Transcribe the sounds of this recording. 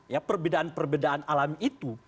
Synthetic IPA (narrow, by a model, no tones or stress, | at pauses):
japərbedaʔanpərbedaʔanalamit̪u